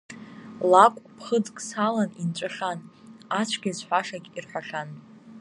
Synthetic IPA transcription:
lakʷʼpʰχəd͡zkʼsalanint͡ʃʷʼɨχanat͡ʃʷʰɡʲazħʷᶣaʂaɡʲʼirħʷᶣaχan

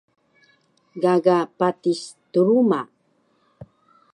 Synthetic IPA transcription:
ɡaɡapatist̪uɾuma

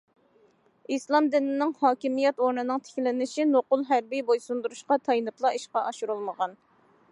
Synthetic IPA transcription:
islˠɑmd̪ɪnɪnɪŋhɑːkʲimijɛt̪oɾnɨnɨŋt̪ʰe̥kʲlɪnɪʃinoqʊlˠɦæɾbijbojsund̪uɾuʃqɑt̪ʰɑjnɨplˠɑiʃqɑʔɑʃuɾulˠməʁɑn

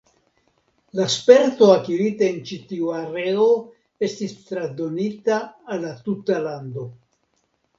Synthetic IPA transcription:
laspe̞ɾt̪o̞akiɾit̪aent͡ʃitiuaɾe̞o | e̞stist̪ɾad̪o̞nitaːlːat̪ut̪aland̪o̞

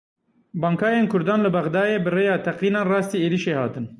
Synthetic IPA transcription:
bɑːŋkʰɑːjeːnkʰʊɾd̪ɑːnlɨbɛɣd̪ɑːjeːbɨreːjɑːt̪ʰɛqiːnɑːnrɑːst̪iːeːɾiːʃeːhɑ̰ːt̪ɨn

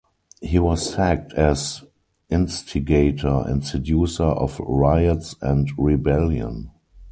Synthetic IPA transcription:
hiwɔsæk̚tʰɛz | ʔɪ̃nstʰɪɡeɪtʰə˞ɛ̰̃ntsɛdjuːsə˞ʔɔ̰fɹaɪətsɛ̃ntɹibɛljə̰̃n

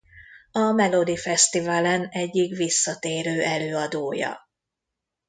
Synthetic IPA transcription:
ɒmɛlo̞d̪ifɛst̪ivalɛnɛɟːikʋisːɒt̪eːɾøːʔɛløːɒd̪oːjɒ̰

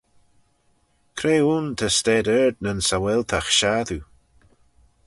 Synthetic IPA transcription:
kʰɾeːunt̪ʰəstɛːdɛɹd̪nənsawɛlt̪ʰaxʃaːðu

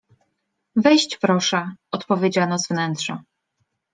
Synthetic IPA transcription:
vɛjɕt͡ɕpɾɔʂɛɔt̪pɔvʲjed͡ʑanɔzvnɛntʂɔ

